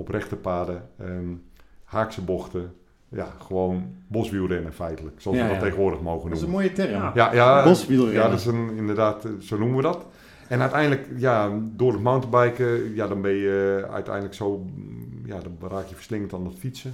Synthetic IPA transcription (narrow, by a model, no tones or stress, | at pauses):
ɔprɛxtəpaːdəə | haːksəboxtə | jaxəʋoːnbosʋilˠdɛnəfɛjtələksɔɔlˠsʋədɔttːeːxɣnʋoːrdəxmoːɣənuməmoːjətɛrəjajasʋijadɔɪsənɪndərdaːtsoːnuməʋədɔt | ɛnœɥtɛjndləkjadʊːdətmawntəbɛjkəjadɔnbɪnjəœ̰ɥtɛ̰jndləksoːjadɔnraːkjəfərslɪŋəntandɔtfitsə